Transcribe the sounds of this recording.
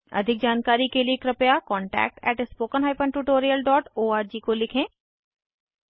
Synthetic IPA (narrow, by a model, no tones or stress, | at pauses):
ɐ̰d̪ʱɪk̚d͡ʒaːnkaːɾikeliekɾɐpjakɔ̃ːɳʈɛ̰ːk̚ʈɛ̰ːʈspoːkənɦaːɪpə̃ɳʈuʈoːɾijəlɖɔːʈoːaːɾd͡ʒiːkolɪkʰẽː